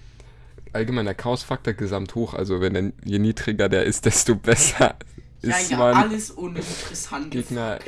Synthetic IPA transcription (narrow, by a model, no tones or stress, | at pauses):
ʔalɡəmaɪnɐkʰaʊʊsfak̚toɐɡəzamthoːxʔa̰lzovɛndeɐjeniːdʁɪɡɐdeːɐʔɪst̚d̥ɛstobɛsɐ | ʔɪsmanaləsʊːnəɪntʁ̥ɛsantɡeːɡnɐ